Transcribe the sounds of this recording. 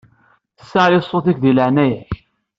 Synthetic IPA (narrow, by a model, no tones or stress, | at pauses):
θə̥sːaʕlisˤːoθikʷðiləʕnæj